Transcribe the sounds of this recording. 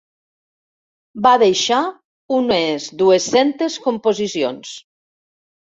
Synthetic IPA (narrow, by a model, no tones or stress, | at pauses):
baðejʃa | unezd̪uesent̪eskompozisio̰ns